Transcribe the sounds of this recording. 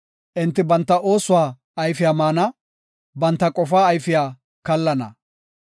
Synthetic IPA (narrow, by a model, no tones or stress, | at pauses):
ʔɪnt̪ːɪbɐnt̪ːɐʔo̞ːsʊwaː | ɐjfɪjaːmaːnɐ | bɐnt̪ːɐkʼɔfaːjfɪjaː | kɐlːɐnɐ̰